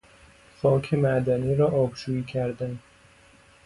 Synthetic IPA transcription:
xɒːkʰemæd̪æniːɾɒːʔɒːbʃuːiːcʰæɾd̪æn

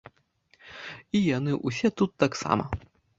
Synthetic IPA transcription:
ijanɨʔusʲɛt̪ut̪ːaksa̰mɐ̰

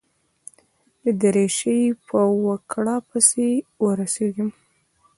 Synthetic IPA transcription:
d̪əd̪əɾeʃəjpʰəwəkɽɑpəsewəɾaseɡim

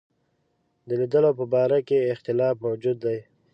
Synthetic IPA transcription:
d̪əlid̪əlopəbɑːɾakeɪxt̪ɪlɑːfmawd͡ʒud̪ːaj

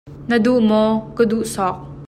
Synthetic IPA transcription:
nəduʔmɔkəduʔsɔk̚

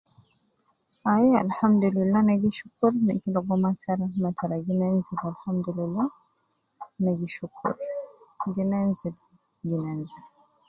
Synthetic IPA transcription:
ajɛa̰lhamd̪ulilːanaɡiʃukuɾnakilɔɡɔmatʰaɾamatʰaɾaɡinanzilalhamd̪ulilːa | naɡiʃukʰṵɾɡinanzil | ɡinanzila

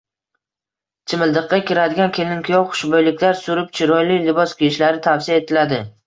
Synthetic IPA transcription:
t͡ʃʰɪmɪld̪ɨqːɑkʲɪɾad̪ɪɡʲankʲʰelɪnkʲʰʊjɒwχʊ̥ʃbɒjlɪkʲlaɾsʊɾɪp̚t͡ʃʰɪɾɒjlijlɪbɒskʲʰijɪʃlaɾɪt̪ʰafsiaet̪ʰɪlad̪ɪ

